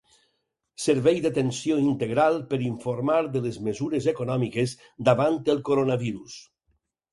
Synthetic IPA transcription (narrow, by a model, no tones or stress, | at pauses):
səɾβɛjðət̪ensijoint̪eɣɾalˠpəɾiɱfoɾmaɾðəlezmezuɾezekonɔmikez | d̪aβant̪əlˠkoɾonaβiɾus